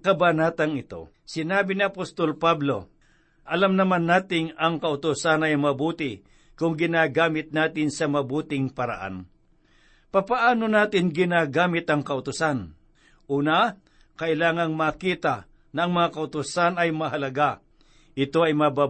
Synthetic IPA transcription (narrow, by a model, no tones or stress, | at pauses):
kɐbanaːt̪ɐŋɪt̪o̞̰ | sɪnaːbɪnɪɐpost̪olpablo̞ | ʔɐlamnɐmanːaːt̪ɪŋɐŋkɐʔʊt̪ʊsanɐjmɐbuːt̪ɪ | kʊŋɡɪnaːɡaːmɪt̪̚naːt̪ɪnsɐmɐbuːt̪ɪŋpɐɾa̰ʔa̰n | papaʔaːnonaːt̪ɪŋɡɪnaːɡaːmɪt̪ɐŋkɐʊt̪ʊsan | ʔuːna | kɐʔɪlaːŋɐŋmakiːt̪a | nɐːŋmɐŋakɐʊt̪ʊsanɐjmɐɦɐlɐɡa | ʔɪt̪o̞ɐjmɐba